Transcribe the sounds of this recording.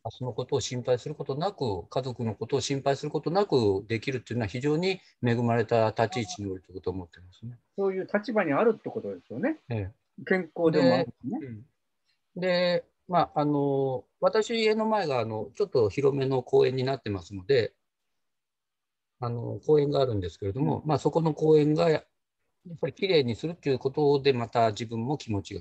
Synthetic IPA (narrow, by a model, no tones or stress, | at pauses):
aso̞no̞ko̞t̪o̞ːɕĩmpaisɨɾɯ̟ko̞t̪onakɯ̟kazo̞kɯ̟no̞ko̞t̪o̞ːɕĩmpaisɨɾɯ̟ko̞t̪o̞nakɯ̟d̪e̞kʲiɾɯ̟t̪ːeiɯnoaçiʑo̞ːɲ̟i | me̞ɡɯ̟maɾe̞t̪at̪at͡ɕiːt͡ɕiɲio̞ɾʲit̪okot̪oːmo̞t̪ːe̞masɨne̞so̞ːjɯ̟ːt̪at͡ɕibaɲ̟iaɾɯ̟t̪ːe̞ko̞t̪o̞d̪e̞sɨjo̞nee | kẽ̞ŋko̞ːd̪eene | d̪e̞ | maano̞ | βat̪aɕiːe̞no̞mae̞ɡaːno̞t͡ɕo̞t̪ːo̞çiɾo̞me̞no̞ko̞ːẽ̞ɲ̟ːinat̪ːe̞masɨno̞d̪e̞ | ano̞̰ko̞ːẽ̞ŋɡaːɾɯ̟̃nd̪e̞sɨ̥ke̞ɾe̞d̪omo̞̰maso̞ko̞no̞ko̞ːẽ̞ŋɡaja | japːaɾʲikʲiɾe̞ːɲ̟isɨɾɯ̟t̪ːejiɯko̞t̪od̪e̞mat̪aʑibɯ̟̃mːo̞kʲimo̞t͡ɕiɡa̰